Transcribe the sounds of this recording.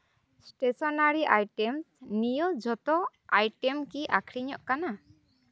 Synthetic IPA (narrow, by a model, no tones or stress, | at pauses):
sʈesɔnaɾiʔajʈɛmsnijɔd͡ʒɔt̪ɔ | ajʈɛmkiʔakʰɾiɲɔʔkana